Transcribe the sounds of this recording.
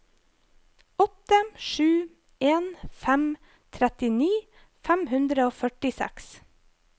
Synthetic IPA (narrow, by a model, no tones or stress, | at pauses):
ɔt̪əʃʉː | eːnfæm | t̪ʰɾɛt̪ɪniː | fæmhʉnd̪ɾəoːfœʈɪsæ̰ks